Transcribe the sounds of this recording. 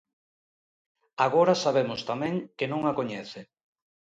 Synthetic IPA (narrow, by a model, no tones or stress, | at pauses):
aɣoɾasaβ̞emʊst̪amɛ̃ŋkenõŋakoɲɛθe